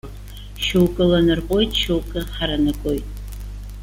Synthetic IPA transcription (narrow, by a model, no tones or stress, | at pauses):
ʃowkʼɨlanɨrqʼo̞jtʼʃowkʼɨħaɾanɨkʷʼojtʼ